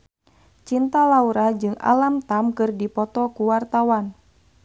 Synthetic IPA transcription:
t͡ʃint̪alauɾad͡ʒɨŋa̰lamt̪amkɨrdipɔt̪ɔkuwart̪awan

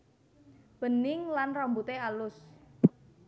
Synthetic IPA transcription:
b̥ənɪŋlanrɔmbut̪ealʊs

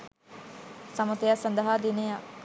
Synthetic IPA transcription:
sɐmɐt̪ejasɐnd̪ɐɦaːd̪ineja

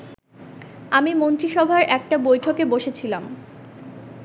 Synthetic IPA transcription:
amimont̪ɾiʃɔbʱaɾɛk̚ʈabojʈʰokeboʃet͡ɕʰilam

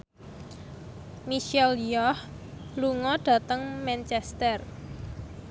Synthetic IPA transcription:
miʃɛljɔh | luŋɔɖ̥ä̤t̪əŋmɛnt͡ʃɛst̪ər

